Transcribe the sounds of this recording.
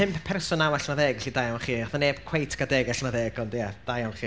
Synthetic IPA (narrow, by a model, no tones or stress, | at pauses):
ɪmpʰɛrsʊnawaɬnaðɛːɡɛɬidajawnχiːaθaneːb̥kʰwejtʰɡ̥adɛːɡɛɬnaðɛːɡɔndjad̥ajawnχiː